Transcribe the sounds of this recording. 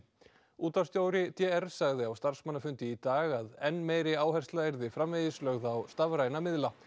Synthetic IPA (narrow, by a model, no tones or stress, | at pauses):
uːt̪ast̪joːwɾɪt̪ʰjɛɛɾ̥saɣðɪawst̪ar̥smanːafʏnt̪ɪit̪aːɣaðɛnːmeːjɾɪaːwhɛr̥st̪laɛɾðɪfɾamvejðɪslœɣðaːwst̪avɾaːjnamɪðla